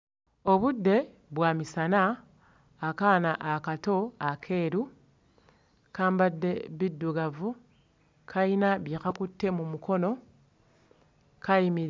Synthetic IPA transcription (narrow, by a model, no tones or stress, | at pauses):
o̞βudːe̞ | βwaːmisanaː | kaːnaʔakato̞akʰe̞ːɾu | kaːmbadːe̞βidːuɡavu | kʰainaβjekakutːe̞mumuko̞no̞ | kajimiɾ